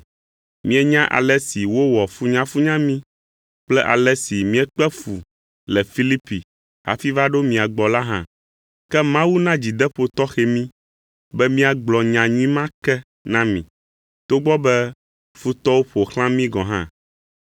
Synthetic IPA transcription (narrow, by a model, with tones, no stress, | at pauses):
mĩ˦ɛ˦ɲã˦ʔa̰˨lɛ˦si˨wo˦wɔ˨fu˦ɲã˦fu˦ɲã˦mĩ˦ | k͡plɛ˦ʔa̰˨lɛ˦si˨mĩ˦ɛ˦k͡pɛ˦fu˨ | lɛ˨fi˦li˦pi˨ | ha̰˨fi˦va˦ɖo˦mĩ˨a˨ɡ͡bɔ˨la˦ɦã̰˦ | kɛ˦mã˦wu˦nã˦d͡ʑi˨d̪ɛ˦ɸo˨t̪ɔ˦xɛ˨mĩ˦ | bɛ˦mĩ˦a˨ɡ͡blɔ˨ɲã˨ɲũ˦ĩ˦mã˦kɛ˦ | nã˦mĩ˨ | t̪o˦ɡ͡bɔ˦bɛ˦ | fu˦t̪ɔ˦wo˦ɸo˨xlã˦mĩ˦ɡɔ̃˨ɦã̰˦